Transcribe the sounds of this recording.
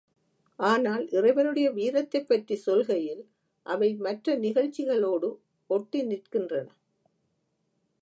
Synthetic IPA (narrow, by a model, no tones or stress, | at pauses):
ʔaːnaːlʔɪrɐɪʋɐɾɯɽɐjɐʋiːɾɐt̪ːɐɪpːɐʈrisɔlɣɐjɪl | ʔɐʋɐɪmɐʈrɐnɪɣɐɻt͡ʃːɪɣɐɭoːɽɯ | ɔʈːinɪrkɪndrɐnɐ